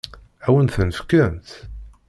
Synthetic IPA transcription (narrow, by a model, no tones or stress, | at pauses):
æwənθənəfkːənt̪